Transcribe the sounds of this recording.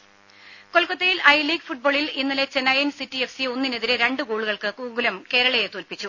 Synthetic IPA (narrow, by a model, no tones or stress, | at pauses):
ko̞lkɐt̪ːɐjilɐjliːɡfuʈ̚bo̞ːɭilinːɐle̞t͡ɕenːɐjɐnsitːiefsionːine̞ðiɾeɾe̞ɳɖɨkuːɭuɣɐɭkɨkuːɡulɐmke̞ːɾɐɭɐjet̪oːlpit͡ɕːu